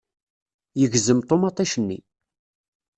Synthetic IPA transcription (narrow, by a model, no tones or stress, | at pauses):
jəʝzəmt̪ˤomɑt̪ˤːiʃənːḭ